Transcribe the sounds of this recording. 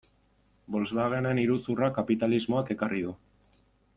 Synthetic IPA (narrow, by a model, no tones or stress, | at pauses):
bo̞lzβaɣe̞ne̞niɾusurakapit̪alizmo̞ake̞karið̞u